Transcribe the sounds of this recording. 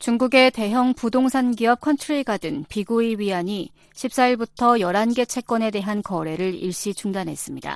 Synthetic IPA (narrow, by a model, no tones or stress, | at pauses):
t͡ɕuŋɡuɡe̞te̞ɦjʌŋpudoŋsʰanɡiʌp̚kʰʌnt͡ɕʰuɭiɡadɯŋpiɡuiɥiaɲi | ɕʰip̚s͈aiɭbutʰʌjʌɾanɡe̞t͡ɕʰe̞k͈wʌne̞de̞ɦankʌɾe̞ɾɯɭḭɭɕ͈it͡ɕuŋdanɦe̞s͈ɯmɲida̰